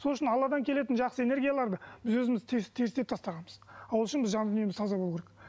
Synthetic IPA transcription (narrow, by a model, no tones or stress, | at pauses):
so̞lˠʏʃɪnɑlˠːɑd̪ɑŋkʲʰele̞t̪ɪnʒɑqsəe̞ne̞ɾɡʲijalˠɑɾd̪əb̥ɪzwɵzɪmɪzt̪ʰest̪ʰe̞ɾɪst̪e̞p̚t̪ʰɑst̪ɑʁɑnməzɑwlˠʏʃɪnbɪzʒɑnnemɪzt̪ʰɑzɑbolˠukʲeɾek